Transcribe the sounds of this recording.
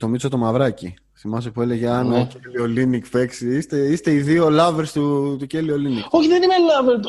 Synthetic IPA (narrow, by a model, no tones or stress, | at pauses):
t̪o̞mit͡sot̪o̞mɐvɾɐci | simɐsopuele̞ʝeɐnocelio̞linikpe̞ksiist̪eist̪e̞iðio̞lɐveɾst̪ut̪uceliolinioçiðenimelɐveɾ